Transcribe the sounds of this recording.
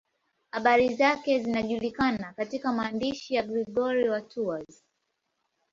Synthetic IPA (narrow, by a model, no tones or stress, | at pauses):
haɓaɾizakɛzinaʄulikanakatikamaːndiʃijaɡɾiɡɔɾiwatʰuaz